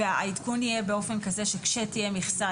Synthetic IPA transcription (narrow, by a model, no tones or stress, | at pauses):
eaid̪kunijebeo̞fe̞nkaze̞ʃekʃet̪ijemiχsa